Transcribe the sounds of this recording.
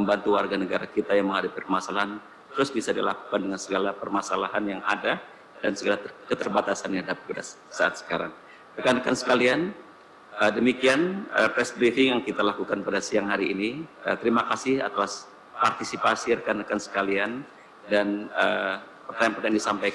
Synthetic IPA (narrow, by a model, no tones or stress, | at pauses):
məmbant̪uwarɡanəɡaɾakit̪ajaŋməŋɦadapipərmasalaɦan | t̪əɾʊsbisadila̰ku̥kandəŋansəɡalapərmasalaɦanjaŋa̰da | dansəɡalakət̪ərbat̪asaniadapiuda | saa̰t̪̚sə̥kaɾa̰ŋ | rəkanəkansə̥kalian | ədəmikianə̰pɛsbɾifɪŋjaŋkit̪alakukanpadasiaŋɦaɾiːniə̰t̪əɾimakasɪha̰t̪aas | part̪isipasiɾəkanəkansə̥kalian | danə | pərt̪aanpajaŋdisampajk